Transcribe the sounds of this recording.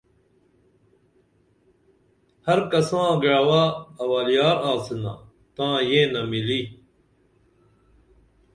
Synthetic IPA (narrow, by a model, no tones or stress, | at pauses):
hɐɾkɐsãːɡɐɭɐwaːɐwaːlijaːɾaːsina̰ | t̪ãːjẽːnɐmiliː